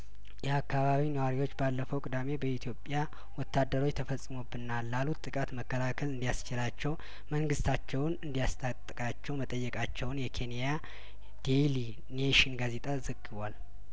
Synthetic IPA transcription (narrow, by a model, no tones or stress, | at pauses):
jɛakːaβaβinəwaɾiwo̞t͡ʃːbalːəfəwkʼɨd̪ame̞bəit̪ʰijo̞pʼja | wɔt̪ʰːad̪ːəɾo̞t͡ʃt̪ʰəfəsʼːɨmobːɨnalːalut̪t̪ʼːɨkʼat̪məkːəlakʰəlɨnd̪ijast͡ʃɪlat͡ʃːɛw | məŋɡɨst̪ʰat͡ʃːɛwnɨnd̪ijast̪ʰʼat̪ʼːɨkʼat͡ʃːɛwmət̪ʼəjːɛkʼat͡ʃːɛwʊnjɛkʰe̞nija | d̪̥eli | neʃɪnɡaze̞t̪ʼazəɡɨβʷal